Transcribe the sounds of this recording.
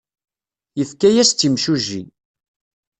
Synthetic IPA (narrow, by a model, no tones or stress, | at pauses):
jəθkæjæst̪ːimʃuʒḭn